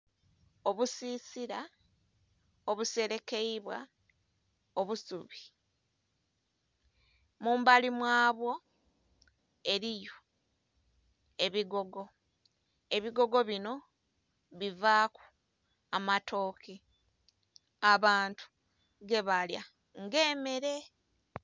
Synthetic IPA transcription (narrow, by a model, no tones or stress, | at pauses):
o̞βusiːsiɾa | oβuse̞ɾe̞ke̞iβwa̰ | o̞βusuβi | muːmbalimwaːβwo̞ | e̞ɾijo̞ | e̞βiɡo̞ɡo̞ | e̞βiɡo̞ɡo̞βino̞ | βivaːku̥ | amatʰo̞ːkʰe | aβaːntʰu̥ | ɡe̞βalja̰ | ŋɡe̞ːme̞ɾe̞